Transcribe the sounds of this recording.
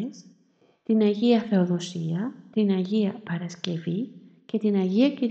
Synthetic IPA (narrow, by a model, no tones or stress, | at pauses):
es | t̪inɐʝiɐθe̞o̞ðo̞siɐt̪inɐʝiɐpɐɾɐsce̞vice̞t̪inɐʝiɐciɾ